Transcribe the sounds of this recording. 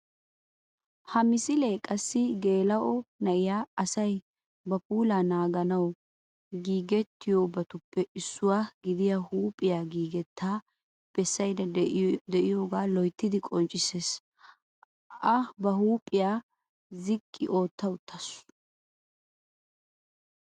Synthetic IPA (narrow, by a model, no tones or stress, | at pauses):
hɐmɪsɪlekʼɐsːɪɡe̞ːlɐʔɔnɐʔɪjaːɐsɐj | bɐpuːlaːnaːɡɐnɐw | ɡiːɡɛt̪ːɪjobɐt̪ʊpːɛʔɪsːʊwaːɡɪd̪ɪjahuːpʼːɪjaːɡiːɡɛt̪ʰːaː | b̥ɛsːɐjdɐd̪ɛʔɪjo̞ːɡaːlɔjt̪ːɪd̪ɪkʼɔnt͡ʃʼːɪseːs | ʔɐbɐɦuːpʼɪjaː | zɪkʼːɪ̰ʔo̞ːt̪ːɐwʊt̪ʰːɐs